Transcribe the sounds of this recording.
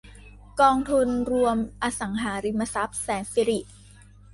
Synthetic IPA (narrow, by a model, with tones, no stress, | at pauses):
kɔː˧ŋt̪ʰu˧nɾu˧əmʔaː˧sa˩˦ŋɦaː˩˦ɾi˧mːa˧sa˦˥p̚sɛː˩˦nfi˧ɾi˨˩ʔ